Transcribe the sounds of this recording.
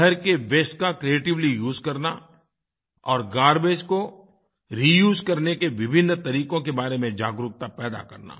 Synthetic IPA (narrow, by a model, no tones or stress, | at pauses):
əɾkeʋeːsʈkakɾieːʈɪʋlijuːzkɐɾna | ɔːɾɡaːɾbeːd͡ʒko | ɾijuːzkɐɾnekeʋɪbʱɪnːt̪ɐɾiːkõkebaːɾemẽd͡ʒaːɡɾʊk̚t̪apɛːd̪a̰kɐɾna̰ː